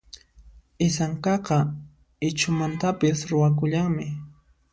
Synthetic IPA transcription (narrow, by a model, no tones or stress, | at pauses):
ɪsaŋkɑqɑ | ɪt͡ʃʊmant̪apɪsɾʊwak̬ʊʎaŋmɪ